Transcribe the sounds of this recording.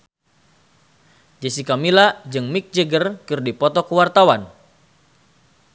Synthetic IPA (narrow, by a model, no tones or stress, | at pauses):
d͡ʒəsikamilad͡ʒɨŋmik̚d͡ʒəɡərkɨrdipɔt̪ɔkəwart̪awan